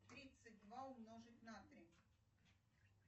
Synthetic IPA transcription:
t̪ɾʲit̪sɨt̚ʲd̪vaʊmnoʐɨt̪ʲnat̪ɾʲi

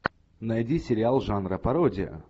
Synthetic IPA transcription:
nɐjdʲisʲɪɾʲɪalˠʐanɾəpɐɾodʲɪə̰

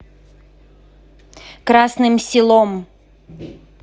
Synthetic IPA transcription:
kɾasnɨmsʲɪlˠom

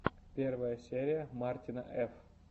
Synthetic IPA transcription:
pʲervəjəsʲeɾʲɪjəmartʲinaʔɛf

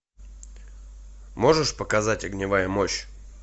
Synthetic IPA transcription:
mo̞ʐɨʂpəkɐzatʲɐɡnʲɪvajəmoɕ

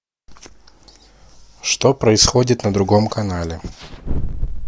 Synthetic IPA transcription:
ʂt̪opɾəɪsxodʲɪt̪nəd̪ɾʊɡo̞mkɐnalʲɪ

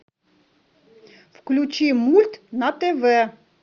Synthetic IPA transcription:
wklʲut͡ʃimulʲt̪nɐt̪ɛʋɛ

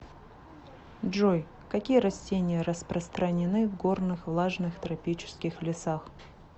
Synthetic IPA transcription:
ʐoj | kɐkʲijəɾɐsʲtʲenʲɪjəɾəspɾəst̪ɾənʲɪnɨvɡo̞rnɨxvlˠaʐnɨxt̪ɾɐpʲit͡ɕɪ̥skʲɪxlʲɪsax

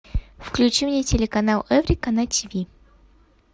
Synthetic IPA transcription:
fklʲʉt͡ɕimnʲɪtʲɪlʲɪkɐnalˠɛvɾʲikɐnatʲʰivʲi

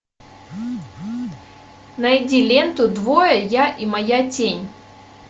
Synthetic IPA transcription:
nɐɪdʲilʲent̪ʊd̪vojəjaʔimɐjatʲenʲ

